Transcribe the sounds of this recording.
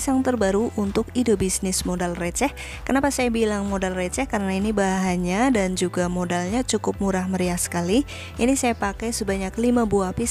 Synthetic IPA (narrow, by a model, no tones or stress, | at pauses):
saŋt̪ərbaɾuʔunt̪ʊkidobisnɪsmodalrɛt͡ʃɛh | kənapasajabilaŋmodalrɛt͡ʃɛhkaɾənainibaɦɦaɲadand͡ʒuɡamodalɲat͡ʃukʊp̚muɾahməɾiahsə̥kali | ʔinisajapakɛjsəbaɲaklimabuapi